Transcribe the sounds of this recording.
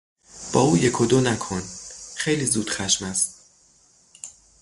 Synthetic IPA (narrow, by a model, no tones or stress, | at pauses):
b̥ɒːuːjekʰod̪onækʰonxe̞jliːzuːd̪̥xæʃmæst̪